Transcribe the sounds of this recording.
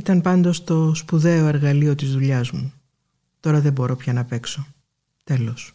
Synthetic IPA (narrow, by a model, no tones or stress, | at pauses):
it̪ɐnpɐnd̪o̞st̪o̞spuðe̞o̞e̞ɾɣɐlio̞t̪izðuʎɐzmu | t̪o̞ɾɐðe̞bo̞ɾo̞pçɐnɐpe̞kso̞ | t̪e̞lo̞s